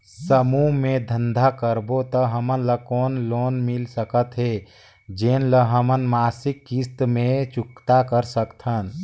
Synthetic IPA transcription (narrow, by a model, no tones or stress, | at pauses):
səmumẽd̪ʱə̃nd̪ʱakəɾbot̪əɦəmənləkɔːnloːnmɪlsəkət̪ɦɛ | d͡ʒeːnləɦəmənmaːsɪkːist̪mẽt͡ʃʊkt̪akəɾsəkt̪ʰən